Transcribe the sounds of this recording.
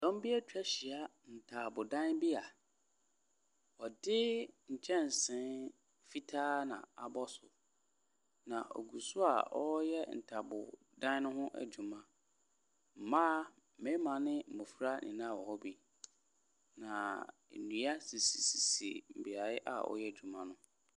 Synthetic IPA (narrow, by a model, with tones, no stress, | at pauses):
d̥ɔ̃˦m˦bi˦ɛ˦tʰᶣɛ˦ɕi˨a˦ | n̩˨tʰa˨bʊ˨dã˦nbi˦a˨ | ɔ˨dɪ˦ɲ̩˨t͡ɕʰɛ̃˦n˨sɪ̃˦n | fi˦tʰaː˦nã̰˨a˨bɔ˦sʊ˨ | nã̰˨ʔɔ̰˨ɡu˨sʊ˦a̰˨ɔ˦jɛ˦n̩˨tʰa˨bʊ̰˨ | dã˦n˦nʊ̃˦hʊ̃˦ʔæ̰˨d͡ʑu˨mã˦ | m̩˨mãː˦˨ | mẽ˨˦mã˨nɪ̃˦m̩˨mʊ˨fɾa˦nʔɪ̰̃˨nã˦˨wɔ˨hɔ˦bi˦ | nã˨nũ˨˦a˦si˨si˨si˨sḭ˨m̩˨bi˨a˨ɪ˦ʔa̰˨ɔ̰˦jɛ˦˨d͡ʑᶣu˨mã˦nʊ̃˦